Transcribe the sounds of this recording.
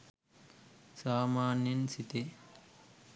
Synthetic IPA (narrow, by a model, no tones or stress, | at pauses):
saːmaːnjɐnsit̪e